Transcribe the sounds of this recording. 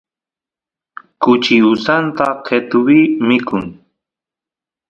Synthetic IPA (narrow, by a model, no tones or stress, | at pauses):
kʊt͡ʃɪʊsant̪aqʰet̪ʊwimɪkʊŋ